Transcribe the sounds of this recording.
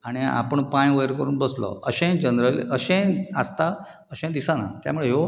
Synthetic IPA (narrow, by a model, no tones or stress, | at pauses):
aɽ̃ia̰pəɳpãjʋəjɾkəɾuːnbəslɔ̰əɕɛ̃d͡ʑənd̪ɾələɕɛ̃ast̪a | əɕɛ̃d̪isana̰t̪ja̰muɭeɦo